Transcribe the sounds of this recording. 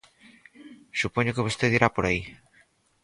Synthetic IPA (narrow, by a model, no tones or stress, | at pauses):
supoɲokeβ̞ost̪eðiɾapoɾai